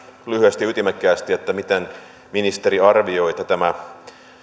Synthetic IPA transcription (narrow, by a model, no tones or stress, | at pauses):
lyhyest̪jyt̪imækːæːst̪iet̪ːæmit̪en | minist̪eɾiɑrʋioit̪ɑt̪æmæ